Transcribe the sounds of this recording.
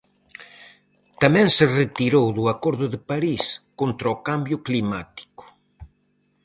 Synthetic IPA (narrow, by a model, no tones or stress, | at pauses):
t̪amɛ̃ŋsɪret̪iɾowðʊakoɾðʊðɪpaɾiskont̪ɾaokambjʊklimat̪i̥kʊ̥